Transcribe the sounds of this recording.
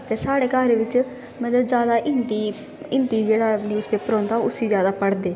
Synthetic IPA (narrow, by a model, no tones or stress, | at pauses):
t̪eːsaːɽeːkaːɾeːʋɪt͡ʃ | mɛ̃t̪əzjaːd̪aːʔɪnt̪iː | ɪ̃nt̪iːd͡ʒeːɽaːniːspeːpəɾɔ̃ːnd̪aːʊsiːzjaːd̪aːpəɽd̪eː